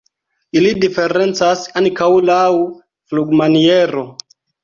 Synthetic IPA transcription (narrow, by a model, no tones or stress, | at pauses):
ilidifeɾent͡sasankawulawu | fluɡmanieɾo